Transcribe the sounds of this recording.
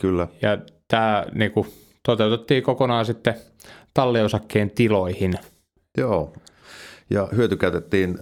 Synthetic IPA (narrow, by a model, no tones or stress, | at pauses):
kylːæjɑt̪æːniːku | t̪ot̪eut̪et̪ːiːkokonɑːsit̪ːe | t̪ɑlːiosɑkːeːnt̪iloihin | joː | jɑhyøt̪ykæˑyt̪et̪ːiːn